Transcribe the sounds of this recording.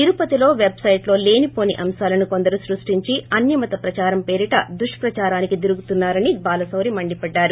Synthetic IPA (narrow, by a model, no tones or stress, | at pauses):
t̪iɾupɐt̪ilo̞ːʋebsɐjʈlo̞ːle̞ːnipo̞ːniʔɐmsaːlɐnukond̪ɐɾusɾuʂʈiɲt͡ʃiɐnjɐmɐt̪ɐpɾɐt͡ʃaːɾɐmpe̞ːɾiʈɐd̪uʂpɾɐt͡ʃaːɾaːnikid̪iɾuɡut̪unːaːɾɐnibaːlɐsɐwɾimɐɳɖipɐɖːaːɾu